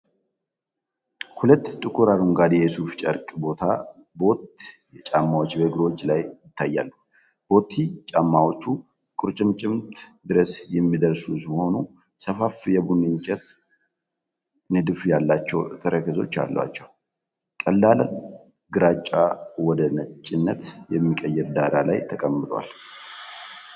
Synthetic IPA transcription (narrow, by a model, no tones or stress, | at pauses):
hulət̪ːt̪ʼɨkʼuɾaɾumɡad̪jɛsuft͡ʃʼɐɾkʼbo̞t̪ʰa | bo̞t̪jɛt͡ʃʼamːawot͡ʃːbəɡɾwo̞t͡ʃːlajjɪt̪ʰːajːa̰lːu | b̥o̞t̪ʰit͡ʃʼamːawot͡ʃːu | kʼʊɾt͡ʃʼɪmt͡ʃʼɪmt̪ʰd̪ɨɾəsjɛmːid̪əɾsusmho̞nu | səfafjɛbunɨɲt͡ʃʼɛt̪ | nɨd̪ɨfjalːat͡ʃːɛwt̪ʰəɾəkʰəzo̞̰t͡ʃːa̰lːə̰wa̰t͡ʃːɛw | kʼəlːaln | ɡɨɾat͡ʃʼːawɔd̪ənət͡ʃʼːɪnːət̪jɛmːikʼəjːɛɾd̪aɾala̰jt̪ʰəkʼəmːɨd̪wa̰l